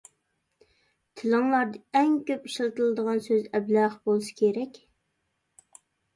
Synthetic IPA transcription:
t̪ʰɪlɨŋlˠɑɾd̪ɨɛŋkʲøpiʃlˠt̪ɨlˠɨd̪əʁɑnsøzɛblæχbolˠɨsɨ̥kʲʰeɾɛkʲ

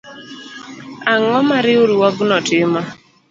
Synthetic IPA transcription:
aŋɔmaɾɪoɾuɔɡnɔtɪma

